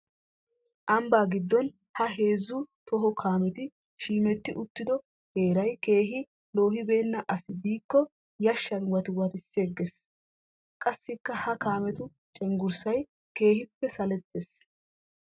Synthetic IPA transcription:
ʔɐmbaːɡɪd̪ːɔn | hɐɦe̞ːzːut̪ɔɦɔkʰaːmɛt̪ɪ | ʃiːmɛt̪ːɪʔʊt̪ːɪd̪ɔ | he̞ːɾɐjke̞ːɦɪ | lo̞ːhɪbe̞ːnːɐʔɐsɪb̪iːkːɔ | jɐʃːɐnwɐt̪ɪwɐt̪ɪsːeːɡːɛs | kʼɐsːɪkːɐhɐkaːmɛt̪ʊ | t͡ʃʼɛŋɡʊɾsɐj | ke̞ːhɪpːɛsɐlɛt̪ːes

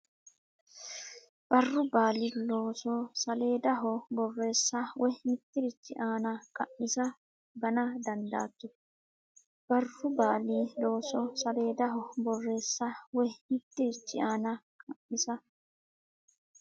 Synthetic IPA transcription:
b̥ɐrːʊbaːliloːsɔsɐle̞ːd̪ɐɦɔbɔrːe̞ːsːɐwɔnɪt̪ːɪɾɪt͡ʃːɪʔaːnɐkʼɐʔːɪsɐ | bɐnɐd̪ɐnd̪a̰ːt̪ːʊ | b̥ɐrːʊbaːliːlo̞ːsɔsɐle̞ːd̪ɐɦɔbɔrːe̞ːsːɐwɔnɪt̪ːɪɾɪt͡ʃːɪʔaːnɐkʰʼɐʔːɪsɐ

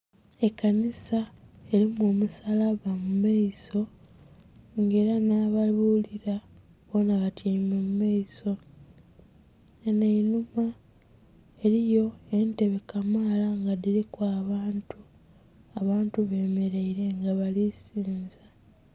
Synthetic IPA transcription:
e̞kːanisae̞ɾimoːmusalaβamumaiso̞ | ŋɡe̞ːɾanaːβaluːliɾa | βonaβatʰiːmemumaiso̞ | eneinuma | e̞ɾijo̞e̞nte̞βekamaːlaŋɡadiɾikwaːβaːntu | aβaːntuβe̞ːme̞ɾe̞iɾe̞ŋɡaβalisiːnza

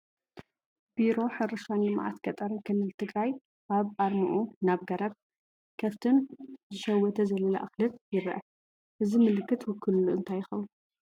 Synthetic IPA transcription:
b̥iɾo̞ħɨɾɨʃanlɨmʕa̰t̪kɐt̪ʼɐɾɨnkʰɨlːɨlt̪ʰɨɡɾaj | ʔaβʔaɾmɨʔunaβɡɐɾɐb̚ | kʰɐft̪ʰɨnzɨʃɐwːɔt̪ʰɐzɐlːɐla̰ʔɨxlɨt̪jɪɾɐʔɐ | ʔɨzimɨlɨkːɨt̪wʊkʰːɨllːuʔɨnt̪ʰajːɪxɐwn

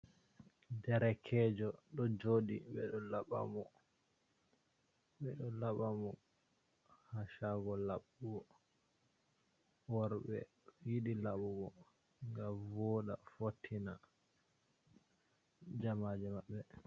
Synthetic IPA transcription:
dɛɾɛkʰɛd͡ʒɔɗɔd͡ʒoɗiɓɛ̰ɗɔlaɓa̰mɔ | ɓɛɗɔlaɓamɔ | haʃaɡɔlaɓuɡɔ | wɔɾɓɛ̰ | jiɗilaɓuɡɔ | ŋɡamvɔɗa̰fotʰːina | d͡ʒamaːd͡ʒɛmaɓːɛ

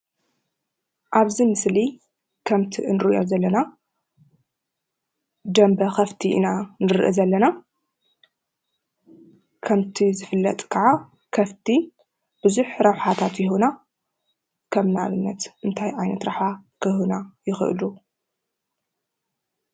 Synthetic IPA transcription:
ʔaβzimɨsli | kʰɐmt̪ʰiʔɨnɨɾɨʔozɐlːɐna | d̪ɐmbɐxɐft̪ʰiʔnanɨɾʔɨzɐlːɐna | kʰɐmt̪ʰizɨfɨlːɐ̰t̪ʼkʰaʕa | kʰɐft̪ʰi | b̥ɨzuħɾɐwħat̪ʰat̪jɪɦuna | kʰɐmnaβɨnːɐt̪ʔɨnt̪ʰajʕajnɐt̪ɾaħakʰɨhunajɪxɨ̰ʔɨ̰lu

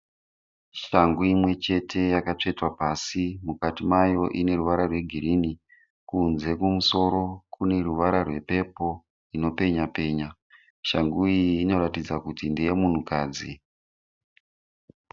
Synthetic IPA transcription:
ʃaŋɡuimwe̞t͡ʃe̞tʰe̞jakat͡ʂe̞twapasimukatimajo̞ʔine̞ɾuʋaɾarwe̞ɡʱiɾini | kunze̞kumuso̞ɾo̞kune̞ruʋaɾarwe̞pe̞po̞ | ino̞pe̞ɲape̞ːɲa | ʃaŋɡuiːno̞ɾatid͡zakutindijemun̤ukaːd͡zi

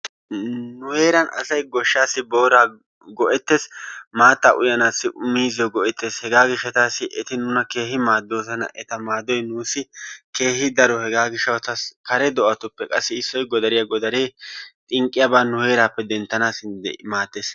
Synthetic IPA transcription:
nʊhe̞ːɾɐnɐ̰sɐjɡɔʃːaːsːɪbo̞ːɾaː | ɡɔʔɛt̪ːe̞ːsmaːt̪ːaːʔʊjɐnaːsːɪʔʊmːiːzɪjɔɡɔʔɛt̪ːe̞ːshɛɡaːɡɪʃɛt̪aːsɪʔɛt̪ɪnʊnɐke̞ːɦɪmaːd̪ːo̞ːsɐnɐ̰ʔɛt̪ɐmaːd̪ɔjnuːsɪke̞ːhɪd̪ɐɾɔhɛɡaːɡɪʃːɐwt̪ɐskɐɾɛd̪ɔʔɐt̪ʊpːɛkʼɐsːɪɪsːɔjɡɔd̪ɐɾɪjɐɡɔd̪ɐɾeːt̪ʼɪŋkʼːɪjabaːnʊhe̞ːɾaːpːɛd̪ɛnt̪ːɐnaːsɪnd̪̰maːt̪ːeːs

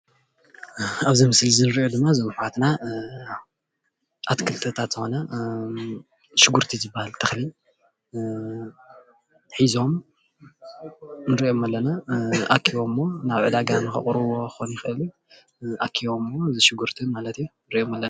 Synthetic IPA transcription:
aβzimɨslzɨnɨɾʔod̪ɨmːazɨmħwat̪na | ʔat̪kʰɨlt̪ʰɐt̪ʰat̪z̥ɨxo̞nɐ | ʃɪɡuɾt̪ʰizɨbːahalt̪ʰɐxli | ħizo̞m | nɨɾiʔo̞mɐlːɐnaʔakʰːiβo̞mːo̞naβʕɨd̪aɡanɨxɨ̰χʼɾuwo̞ɨ̥xonjɪxɨʔɨlu | ʔakʰːiβo̞mːozɨʃɪɡuɾt̪ʰɨnmalɐt̪ijunɨɾiʔomɐlːɐa

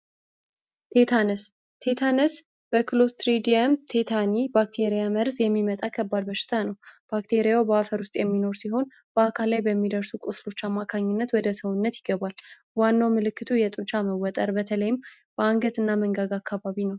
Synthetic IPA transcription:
t̪ʰe̞t̪ʰanɨs | t̪ʰe̞t̪ʰanɨs | bəkʰɨlo̞st̪ɾid̪iamt̪ʰe̞t̪ʰanibak̚t̪ʰe̞ɾijaməɾzjɛmːimət̪ʼakʰəbːad̪bəʃɪ̥t̪ʰanəwb̥akt̪ʰe̞ɾijawbəafəɾwʊst̪ʼjɛmːino̞ɾsiɦo̞n | b̥əakʰalːajbəmːid̪əɾsukʼʊslo̞t͡ʃːamːakʰaɲːɪnːət̪wɔd̪əsəwʊnːət̪jɪɡəβal | wanːawmɨlɨkːɨt̪ʰujɛt̪ʼunt͡ʃʰʼaməwːɔt̪ʼəɾbət̪ʰələjɪm | b̥əaŋɡət̪ɨnːaməŋɡaɡakʰːaβaβinəw

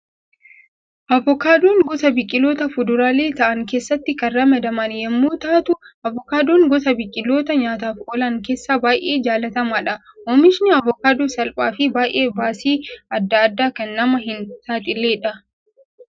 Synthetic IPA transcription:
ʔɐvɔkaːd̪uːŋɡɔsɐbɪkʼːɪlo̞ːt̪ɐfʊd̪ʊɾaːle̞ːt̪ɐʔɐŋkeːsːɐt̪ːɪkɐnrɐmɐd̪ɐmɐnjɐmːoːt̪aːt̪ʊʔɐvɔkaːd̪uːŋɡɔsɐbɪkʼːɪlːo̞ːt̪ɐɲaːt̪aːfʔɔlɐŋke̞ːsːaːbaːjʔeːd͡ʒaːlɐt̪ɐmaːᶑɐ | ʔɔːmɪʃnɪɐvɔkaːd̪uːsɐlpʼa̰ːfɪbaːjʔe̞ːbaːsiːɐd̪ːɐɐd̪ːaːkɐnːɐmɐɦɪnsaːt̪ʼɪlːeːᶑɐ

